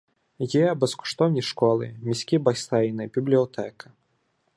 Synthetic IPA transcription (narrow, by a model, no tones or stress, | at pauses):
jɛbɛskɔ̥ʂt̪ɔwnʲiʂkɔlˠɨ̰mʲisʲkʲibast̪ɛjnɨbʲiblʲiɔt̪ʰɛkɐ̥